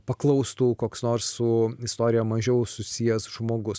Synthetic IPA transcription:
pɐklˠɐʊst̪uːkoːksnoːɾsːʊɪst̪oːɾʲɪjɛmɐʒʲɛʊsʊsʲijɛsʒmoːɡʊs

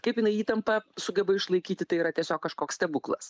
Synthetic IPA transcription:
kɐɪpjɪnɐɪiːt̪ɐmpɐsʊɡʲɛbɐɪʃlˠɐɪkʲiːt̪ʲɪt̪ɐɪiːɾɐt̪ʲiɛsʲoːkkːɐʃkoːkst̪ʲɛbuklˠɐ̰s

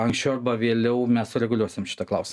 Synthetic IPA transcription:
ɐŋksʲt͡ʃʲɛʊɐrbɐʋʲeːlʲɛʊmʲɛssʊɾʲɛɡʊlʲuɔsʲɪmʃʲɪ̥t̪ɐklˠɐʊsʲɪm

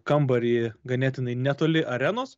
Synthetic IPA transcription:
kɐmbɐɾʲiɡɐnʲɛt̪ʲɪnɐɪnʲæt̪oːlʲɪʔɐɾʲænoːs

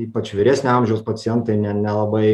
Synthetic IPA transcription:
iːpɐt͡ʃʋʲɪɾʲæːsʲnʲeɪɐmʲʒʲɛʊspɐt͡s̪ʲɪjɛnt̪ɐɪnʲɛnʲɛlˠɐbɐɪ

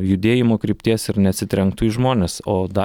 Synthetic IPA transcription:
jʊd̪ʲeːjɪmoːkɾʲiːpʲt̪ʲiɛsɪɾnʲɛɐt̪sʲɪt̪ʲɾʲɛŋk̚t̪ʊiʒmoːnʲeːsoːd̪ɐ

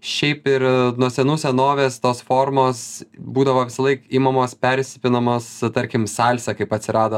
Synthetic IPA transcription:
ʃʲɛɪpɪɾnuɔsʲɛnuːsʲɛnoːʋʲeːst̪oːsfoːrmoːsbuːd̪ɐʋoːʋʲɪsɐlˠɐɪkiːmɐmoːspʲɛɾʲsʲɪpʲɪnɐmoːst̪ɐɾʲkʲɪmsɑːlʲsʲɛkɐɪpɐt̪ʲsʲɪɾɑːd̪o

